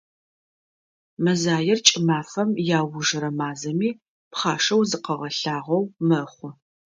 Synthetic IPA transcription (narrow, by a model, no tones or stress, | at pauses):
mɐzaːjɪrt͡ʃʼɪmaːfɐmjaːwʊʒɨɾɐmaːzɐmiː | pχɑːʂɐwzɨqɐʁɐɬaːʁɐwmɐχʷʊ